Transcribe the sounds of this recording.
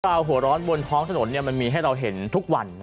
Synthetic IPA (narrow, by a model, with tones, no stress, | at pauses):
aː˧wɦu˩˦ɐɾɔː˦˥nbo˧nt̪ʰɔː˦˥ŋt̪ʰa˧no˩˦nːi˥˩ɐma˧nmiː˧ɦa˥˩jɾa˧wɦe˩˦nt̪ʰu˦˥k̚wa˧n